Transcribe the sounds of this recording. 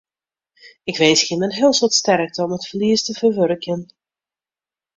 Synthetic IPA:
ɪkʋeːsxɪmənɦɪːlˠsɔtstɛrk̚təɔmətfərliəstəvərʋøɾəkjən

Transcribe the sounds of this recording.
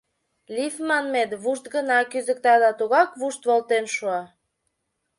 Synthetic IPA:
lifmɑnmed̪βuʃt̪̚ɡənɑkyzə̆k̚t̪ɑd̪ɑt̪uɣɑkβuʃt̪βolt̪enʃuɑ

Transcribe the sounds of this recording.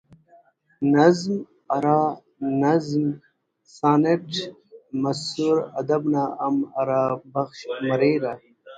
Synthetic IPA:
nɐzm | ɐɾaː | nɐzm | saːneʈ | mɐsuɾɐd̪ɐbnaɐmɐɾaːbɐxʃmɐɾeːɾa

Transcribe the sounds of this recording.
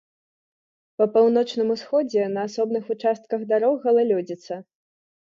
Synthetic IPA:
pɐpawnɔt͡ʂnɨmusxɔd͡zʲɛnɐasɔbnɨxut͡ʂast̪̚kɐɣd̪aɾɔɣɐlˠalʲɔd͡zʲit̪sːɐ

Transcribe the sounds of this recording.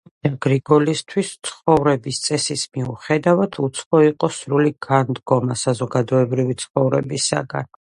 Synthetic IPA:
d͡ʒaɡɾiɡɔlist̪ʰwist̪sʰχɔvɾɛbist̪sʼɛsismiuχɛd̪avat̪ʰut̪sʰχɔiqʼɔsɾuliɡand̪ɡɔmasazɔɡad̪ɔɛbɾivit̪sʰχɔvɾɛbisa̰ɡa̰n

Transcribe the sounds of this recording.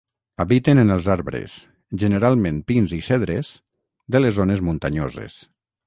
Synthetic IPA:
aβit̪enənəlˠzaɾβɾḛs | ʒənəɾalˠmẽmpinzisɛðɾez̥ | d̪elezonezmunt̪aɲo̰zḛs

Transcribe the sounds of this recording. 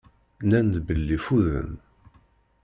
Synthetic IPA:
nænd̪bəlːifuðə̰n

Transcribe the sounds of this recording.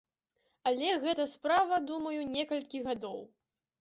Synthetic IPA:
ɐlʲɛɣɛt̪ɐspɾavɐd̪umɐjunʲɛkɐlʲkʲiɣad̪ɔw

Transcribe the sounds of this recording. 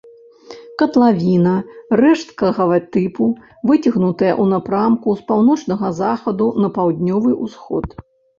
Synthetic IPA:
kɐt̪lˠavʲinɐrɛʂt̪kɐɣɐvɐt̪ɨpu | vɨt͡sʲiɣnut̪ɐjɐ̰ʔunɐpɾamkuspawnɔt͡ʂnɐɣɐzaxɐd̪unɐpawd̪ʲnʲɔvɨʔusxɔ̰t̪

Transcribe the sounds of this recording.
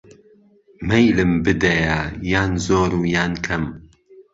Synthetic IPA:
mɐjlɨmbɨd̪ɐjajaːnzoːɾuːjaːnkʰɐm

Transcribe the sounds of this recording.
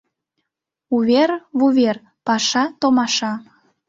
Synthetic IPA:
uβerβuβer | pɑʃɑt̪omɑʃɑ

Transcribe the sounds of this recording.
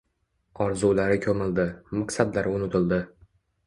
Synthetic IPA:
ɒɾzulaɾɪkʲʰɵmɪld̪ɪmaqsad̪laɾʊnɪt̪ʰɪld̪ɪ

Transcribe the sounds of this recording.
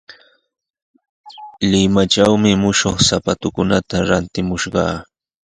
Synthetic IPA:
lɪmat͡ʃawmɪmʊʃoχsapat̪ʊkʊnat̪aɾant̪ɪmʊʃɢɑ̰ː

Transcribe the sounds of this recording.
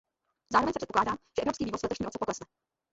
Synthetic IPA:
zaːɾovɛɲsɛprɛtpoklaːdaːmʒ̥ɛʔɛvɾpskiːviːvosvlɛt̪oʃɲiːʔot͡sɛpoklɛsnɛ

